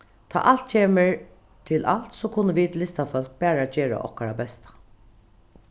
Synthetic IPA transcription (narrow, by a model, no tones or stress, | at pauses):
t̪ʰa̰ːʔal̥t̪̚t͡ʃʰeːməɹ | t̪ʰɪlʔa̰lt̪soːkʰʊnːəʋiːd̪lɪst̪afœlk̚bæːɹad͡ʒeːɹa̰ʔɔ̰hkaɹabɛst̪ḁ